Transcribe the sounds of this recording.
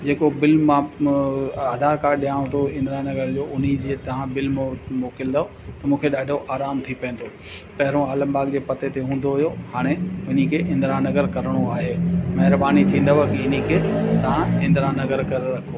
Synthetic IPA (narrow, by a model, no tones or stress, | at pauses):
d͡ʑeːkobɪlmã | aːd̪ʱaːɾkaːɾɗijãːʊ̃t̪ʰoɪ̃nd̪ɾanɐɡəɾd͡ʑoːʊn̤id͡ʑeːt̪ɐʋ̤ãbɪlmmoːkɪld̪aːo | t̪ɐmũːkʰeɗaːɖʱoʔaːɾaːmt̪ʰipɐ̃n̆d̪o | pɐɦɪɾõaːlə̃mbaːɡd͡ʑeːpɐt̪et̪eɦũːn̆d̪oɦʊjohaːɽ̃eʊn̤ikʰeʔɪ̃nd̪ɾãnɐɡəɾkɐɾɽ̃oaːɦeːmɐɦɪɾbaːnit̪ʰĩːnd̪əʋɐkɪnikʰeːt̪ɐʋ̤ãɪ̃nd̪ɾãnɐɡəɾkɐɾɾɐkʰo